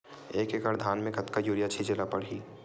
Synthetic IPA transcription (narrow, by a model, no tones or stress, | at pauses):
eːkekəɾd̪ʱaːnmẽkɐt̪kajuːɾijat͡ʃʰid͡ʒelapɐɽɦiː